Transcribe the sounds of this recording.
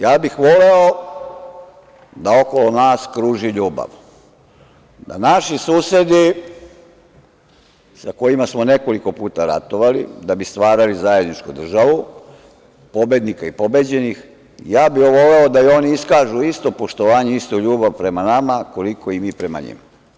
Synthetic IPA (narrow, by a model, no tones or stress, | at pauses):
jaːbixʋo̞le̞o | d̪ao̞kolonaːskɾuːʒiʎuːba̰ʋ | d̪a̰naʃisuːse̞d̪i | sako̞jimasmo̞ne̞ko̞liko̞puːt̪aɾa̰t̪o̞ʋalid̪abist̪ʋaːɾalizaje̞d̪nit͡ʃkud̪r̩ʒaʋu | po̞bed̪nikaipo̞bed͡ʑe̞nix | jaːbioʋo̞le̞o̞d̪ajo̞niiskaːʒuist̪o̞po̞ʃt̪oʋaːɲeist̪oʎuːbaʋpɾe̞manamako̞liko̞imiːpɾe̞ma̰ɲḭma